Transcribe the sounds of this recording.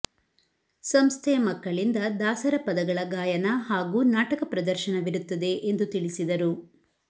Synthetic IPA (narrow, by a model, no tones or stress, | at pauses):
sɐmst̪ʰɛjɐmɐkːɐɭind̪ɐd̪aːsɐɾɐpɐd̪ɐɡɐɭɐɡaːjɐnɐɦaːɡuːnaːʈɐkɐpɾɐd̪ɐɾʃɐnɐʋiɾut̪ːɐd̪e̞ʔend̪ut̪iɭisid̪ɐɾu